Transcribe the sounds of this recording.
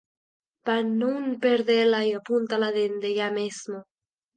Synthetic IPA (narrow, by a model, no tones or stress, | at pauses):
panunpeɾðelajapunt̪alaðend̪eʎamezmo